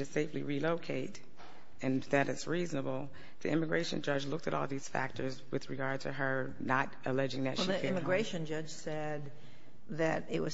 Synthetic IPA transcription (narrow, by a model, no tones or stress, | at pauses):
ɨ̥seɪfliɹiloʊkʰeɪɾ | ɨ̃nðɨɾɨtsɹiznəbl̩ˠ | ðḭʔɪ̃mɨɡɹeɪʃɨ̃nd͡ʒʌd͡ʒlʊk̚tɨɾʔɔ̰lˠðiz̥fæ̰k̚tʰə˞zwɨðɹɨɡɑɹd̚tʰɨə˞ | nəɾɨlɛd͡ʒɪ̃ŋðɨ̰tˠiɪ̃mɨɡɹeɪʃɨ̃nd͡ʒʌ̥ʒ̥sɛ | d̪̚ | ðɨɾɪt̚wʌ